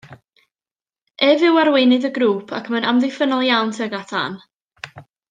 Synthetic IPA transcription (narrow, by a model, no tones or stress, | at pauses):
ɛvɪwarwejnɨðəɡɾuːpʰakʰmənʔamðɪjfənɔlˠjawntʰəəɡatʰa̰n